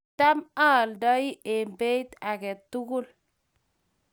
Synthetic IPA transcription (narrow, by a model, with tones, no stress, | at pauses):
ta˦ma˦˨lda˦i˦e˨mbe˦i˦t̪a˨ɡe˨t̪ːu˦ɡu˦l